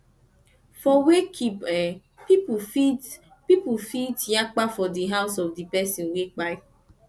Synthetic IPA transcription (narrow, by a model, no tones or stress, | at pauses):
fɔwekʰipɛ | pipufit | pipufitjak͡pafɔdiɦaʊsɔvdipɛsĩnwek͡pa